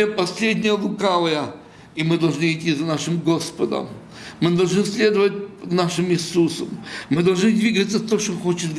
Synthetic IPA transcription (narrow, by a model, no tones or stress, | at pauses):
epɐsʲlʲedʲnʲɪjəlˠʊkavˠəjə | imɨd̪ɐlˠʐnɨitʲːizɐnaʂɨmɡo̞spəd̪ə̰mː | ɨd̪ɐlˠʐnɨsʲlʲe̞d̪əvət̚ʲnaʂɨmɪsusəmːɨd̪ɐlˠʐnɨd̪ʲvʲiɡət̪sːət̪oʂt̪oxo̞t͡ɕɪt̪ɡ